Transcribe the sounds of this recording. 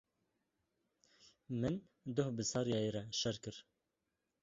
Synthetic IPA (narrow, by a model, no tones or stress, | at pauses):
mɨn | d̪ohbɨsɑɾjɑjeɾɛʃɛɾkɨɾ